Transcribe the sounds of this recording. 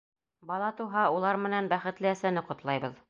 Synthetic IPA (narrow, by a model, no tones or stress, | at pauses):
bɑlˠɑt̪uɦɑulˠɑɾmɘ̆nænbæχɘ̆t̪lɘæsænɘqŏt̪lˠɑjbɤð